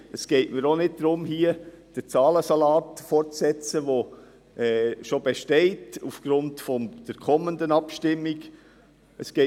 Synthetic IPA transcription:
əsɡ̥ɛɪtməɾonɪd̚d̥ɾʊmhiə | d̥ət͡sɑːləsɑlɑːtfɔrtt͡ssɛt͡səʋo | ɛːʃobeʃtɛɪtufɡ̥ɾʊntfɔmd̥əɾkʰɔməndənɑpʃtɪmːiɡ | əsɡ̥ɛ

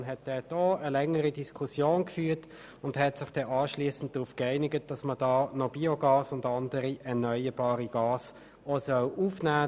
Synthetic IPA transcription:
nɦɛt̚d̥ɛd̥ɔəlɛŋːəʁidiskʰusjoːnkfyːɐt | ʊndhɛtsɪχd̥ɛʔɑːʃliːəsn̩t̚d̥ʁuːfkɛɪnɪɡət̚d̥ɑsməd̥ɑːnɔbiɔɡɑːsʊndɑndəʁiʔɛɐnœʏəb̥ɑːʁiɡɑːs | osœlʔuːfnæː

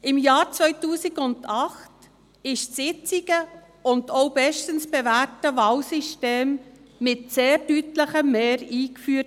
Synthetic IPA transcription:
ɪmjɑːɾt͡svœʏtuːsiɡʊndɑχt | ɪʃsɪt͡siɡ̥ə | ʊndoʊbɛʃtənsb̥ɛvæːɾtəvɑlsiʃteːmːɪtseːɾdytləχəmːeːɾiːkfyːət

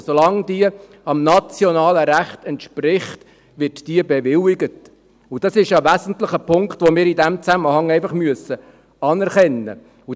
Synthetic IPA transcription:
solɑŋdiə | ɑmnɑt͡sjɔnɑːləɾæχtɛntʃprɪχt | ʋɪtd̥iəbɛʋɪlɪɡət | ud̥ɑsɪʃjɑʋæzən̩tləχəpʰʊŋkt̪ʋomɪːɾidæmt͡sæməhɑŋɛɪfɑχmyəsə | ɑnɛɾχɛnːə̰ | u

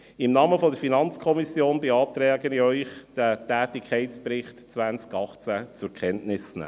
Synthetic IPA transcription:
ɪmnɑːməfɔdəɾfinɑnt͡skʰɔmisjoːnbɛɑːt̪ɾɛːɡəniœʏχd̥ætæːtɪkʰɛɪtspɾɪχtt͡sʋænt͡skɑχt͡sæt͡sʊɾkʰχɛntnɪsnæ̰

